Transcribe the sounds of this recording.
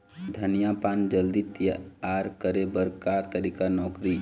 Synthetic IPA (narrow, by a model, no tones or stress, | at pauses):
d̪ʱənijapaːnd͡ʒəld̪it̪jaːɾkəɾebəɾkat̪əɾiːkanɔːkɾi